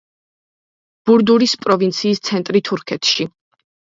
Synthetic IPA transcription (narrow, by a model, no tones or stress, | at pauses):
b̥uɾd̪uɾispʼɾɔvint̪sʰiːst̪sʰɛnt̪ʼɾit̪ʰuɾkʰɛt̪ʰʃi